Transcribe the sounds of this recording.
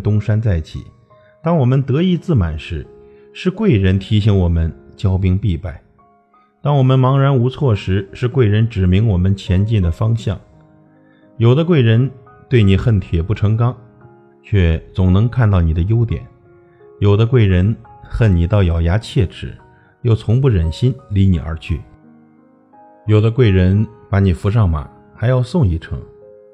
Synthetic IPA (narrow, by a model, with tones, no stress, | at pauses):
t̪ʊ˥ŋʂa˥nt͡sa˥˩ɪt͡ɕʰḭ˨˩˦ | t̪ɑ˥ŋwɔ˨˩mə˧˦nt̪ɤ˧˥i˥˧t͡sɹ̩˥˩ma̰˨˩nʂɻ̩˧˥ | ʂɻ̩˥˧kwe˥˩ɪɻə˧˥nt̪ʰi˧˥ɕi˧˥ŋwɔ˨˩mə˦nt͡ɕjɑ˥ʊpi˥ŋpi˥˧pa˥˩ɪ | t̪ɑ˥ŋwɔ˨˩mə˧nmɑ˧˥ŋɻa˧˥nu˧˥t͡sʰwɔ˥˩ʂɻ̩˧˥ʂɻ̩˥˧kwe˥˩ɪɻə˧˥nʈ͡ʂɻ̩˨˩mi˧˥ŋwɔ˨˩mə˦nt͡ɕʰjɛ˧˥nt͡ɕi˥˩d̪ə˩fɑ˥ŋɕjɑ˥˩ŋ | jo˨˩ʊd̪ə˦kwe˥˩ɪɻə˧˥n | t̪we˥˩ɪni˨˩xə˥˩nt̪ʰjɛ˨˩pu˥˩ʈ͡ʂʰɤ˧˥ŋkɑ˥ŋ | t͡ɕʰɥɛ˥˩t͡sʊ˨˩ŋnɤ˧˥ŋkʰa˥˧nt̪ɑ˥˩ʊni˨˩d̪ə˦jo˥ʊt̪jɛ̰˨˩˦n | jo˨˩ʊd̪ə˦kwe˥˩ɪɻə˧˥nxə˥˩nni˨˩t̪ɑ˥˩ʊjɑ˨˩ʊja˧˥t͡ɕʰjɛ˥˩ʈ͡ʂɻ̩˨˩˦ | jo˥˩ʊt͡sʰʊ˧˥ŋpu˥˩ɻə˨˩nɕi˥nli˧˥nḭ˨˩ə̰˞˧˥t͡ɕʰy̰˥˩ | jo˨˩ʊd̪ə˦kwe˥˩ɪɻə˧˥npa˧˥ni˨˩fu˧˥ʂ̬ɑ˥˩ŋma̰˨˩˦ | xa˧˥ɪjɑ˥˧ʊsʊ˥˧ŋi˥˩ʈ͡ʂʰɤ̰˧˥ŋ